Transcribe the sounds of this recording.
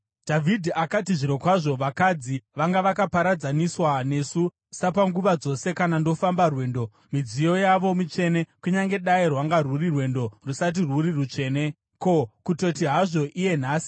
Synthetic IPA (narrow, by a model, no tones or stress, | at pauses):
d̥ʱavʱidʱiʔakatiʐiɾo̞kwaʐo̞ʋakad͡ziʋaŋɡaʋakapaɾad͡zaniswane̞su | sapaŋɡuʋad͡zo̞se̞kanando̞fambarwe̞ːndo̞ | mid͡zijo̞jaʋo̞mit͡ʃe̞ne̞kuɲaŋɡe̞ɗairwaŋɡarurirwe̞ndo̞rusat̬irwurirut͡ʂe̞ːne̞ | ko̞kuto̞tiɦaʐo̞ʔije̞n̤aːsi̥